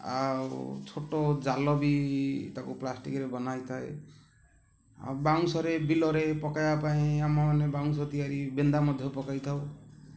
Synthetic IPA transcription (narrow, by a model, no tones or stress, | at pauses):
a̰wt͡ʃʰoʈod͡zalɔbit̪akuplasʈikɾebɔnajt̪ʰaḛ | baŋsɔɾebilɔɾepɔkajapaĩamaanebaŋsɔt̪ijaɾibend̪amʌd̪ʱjɔpɔkajt̪ʰaw